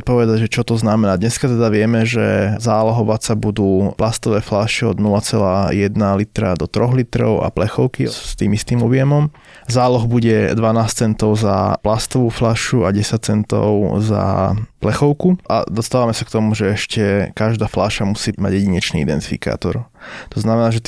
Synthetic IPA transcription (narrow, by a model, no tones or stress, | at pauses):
t̪̚pɔʋɛd̪aɟʒɛt͡ʃɔt̪ɔznamɛnaːd̪ɲɛskat̪ɛd̪aʋɪɛmɛʒɛzaːlɔɦɔʋasabud̪uːplast̪ɔʋɛːflaʃiɔ̰d̪nulat͡sɛlaːjɛd̪nalit̪ɾad̪ɔt̪ɾɔɣlit̪ɾɔ̰ʊa̰plɛxɔʊkist̪iːmist̪iːmɔbɪɛmɔm | zaːlɔɣbuɟɛd̪ʋanaːst͡sɛnt̪ɔʊza̰plast̪ɔʋuːflaʃuaɟɛsac̚t͡sɛnt̪ɔ̰ʊza̰plɛxɔʊkuʔa̰d̪ɔst̪aːʋamɛsakt̪ɔmuʒɛɛʃcɛkaʒd̪aːflaʃamusiːma̰ɟjɛɟiɲɛt͡ʃnḭid̪ɛ̰nt̪i̥fḭka̰ːt̪ɔ̰ɾt̪ɔznamɛnaːʒɛt̪